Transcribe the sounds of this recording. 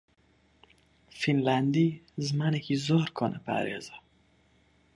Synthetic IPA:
finlænd̪izmænikʰizɔɾkʰɔnɛpʰæ̰ɾḛzæ

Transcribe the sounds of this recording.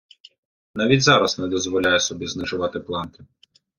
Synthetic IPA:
nɑʋʲidʲzɑɾɐsnɛd̪ɔzʋɔlʲajɛsɔbʲiznɪʒʊʋɑt̪ɪplˠɑnkɪ

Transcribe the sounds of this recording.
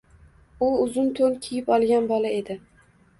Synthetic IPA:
ʊʊzʊnt̪ʰoŋkʲʰijɪpɒlˠɡʲanbɒlˠae̞d̪ɪ

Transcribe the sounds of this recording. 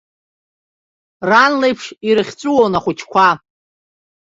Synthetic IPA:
ranlejpʰʂiɾɨχʲt͡sʷʼuwonaχʷʊt͡ʃʰkʷʰa

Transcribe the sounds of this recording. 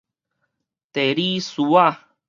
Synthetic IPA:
t̪eɾisua

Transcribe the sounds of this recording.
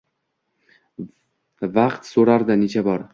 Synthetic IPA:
vaqt̪soɾaɾd̪anet͡ʃʰabɒɾ

